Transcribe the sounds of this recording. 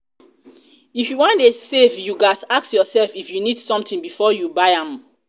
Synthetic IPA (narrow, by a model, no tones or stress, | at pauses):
ifjuwɔ̃ndesevjuɡasaksjɔsɛlfifjunidsɔ̃mtĩŋbifɔjubaɪãm